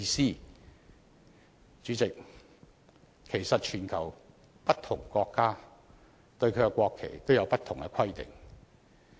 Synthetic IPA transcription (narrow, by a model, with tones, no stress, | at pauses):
iː˧siː˥ | t͡ʃyː˨˥t͡sɪ˨k̚ | kʰe˨˩jsɐ˨t̚t͡ʃʰyː˨˩nkʰɐ˨˩w | pɐ˥t̚t̪ʰʊ˨˩ŋkɔː˧kːaː˥ | t̪ɵ˧ɥkʰɵ˨˧kɛ˧kʷɔː˧kʰːe˨˩jt̪o˥wjɐ˧wpɐ˥t̪̚ʰʊ˨˩ŋɡɛ˧kʰɐ˥jt̪ɪ̰˨ŋ